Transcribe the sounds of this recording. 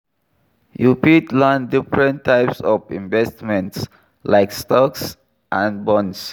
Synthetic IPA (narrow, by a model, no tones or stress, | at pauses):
jupitlãndifɹɛ̃ntʰːaɪpsɔvḭ̃ɱvɛstmɛ̃nts | laɪkstɔks | ʔãnbɔ̃ns